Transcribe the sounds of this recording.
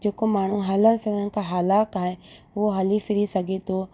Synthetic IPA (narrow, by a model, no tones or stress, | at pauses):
d͡ʑeːkomaːɳ̤ũɦɐlənfɪɾənɪ̆kʰaːɦaːlaːkaːɦe | ʊɦoɦɐlifɪɾisɐɡʱet̪ʰoː